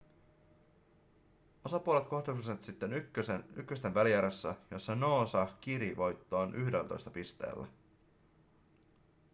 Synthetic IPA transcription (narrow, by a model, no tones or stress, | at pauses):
o̞sɑpuole̞t̪̚ko̞hd̪usiset̪sit̪ːenykːøseykːøst̪enʋælijæɾesːæjo̞sːɑno̞ːsɑk̟iɾiʋo̞jt̪ːo̞ːnʔyhdelt̪o̰st̪ɑpist̪e̞̰ːlːæ̰